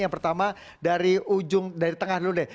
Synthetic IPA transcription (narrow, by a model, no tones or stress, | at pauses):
jaŋpərt̪ama | daɾiud͡ʒʊŋdaɾit̪əŋahludɪh